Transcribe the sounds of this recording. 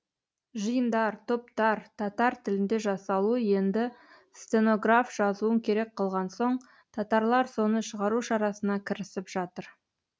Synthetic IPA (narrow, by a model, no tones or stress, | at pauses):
ʒəjənd̪ɑɾt̪ʰo̞pt̪ɑɾt̪ʰɑt̪ɑɾt̪ʰɪlɪnd̪e̞ʒɑsɑlˠuəje̞nd̪ɪ | st̪e̞no̞ɡrafʒ̥ɑzuəŋkʲʰe̞ɾe̞k̚ʲqʰəlˠʁɑnso̞ɴ | t̪ʰɑt̪ɑɾlˠɑɾso̞nəʃəʁɑɾuʃɑɾɑsənɑkʲʰɪɾɪsɪpʒ̥ɑt̪əɾ